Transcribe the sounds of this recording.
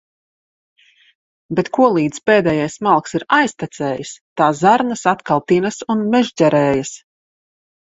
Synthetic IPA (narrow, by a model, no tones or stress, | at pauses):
bet̪kuɔlˠiːd̪speːd̪ɛːjajsmalˠksiɾajst̪at̪sɛːjast̪aːzaɾnasat̪kalˠt̪inasunmɛʒɟɛɾɛːjas